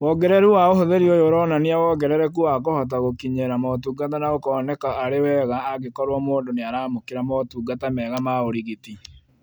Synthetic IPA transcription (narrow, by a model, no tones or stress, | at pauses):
wɔɡɛɾɛɾuwaohoðeɾiojoɾɔːnaniawɔɡɛɾɛɾɛkuakohɔt̬aɣokiɲɛɾamɔtuːɡat̬anaokɔːnɛkaːɾewɛɣaːɡekɔɾwɔmoːndoneaɾaːmokeɾamɔtuːɡatamɛːɣamaoɾiɣiti